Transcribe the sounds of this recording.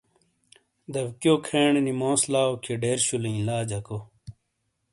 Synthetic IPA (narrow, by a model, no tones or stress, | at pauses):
d̪ɐbkjoːkʰeːɳnimõːslaːokʰeɖeːɾɕulĩĩlaːd͡ʑɐko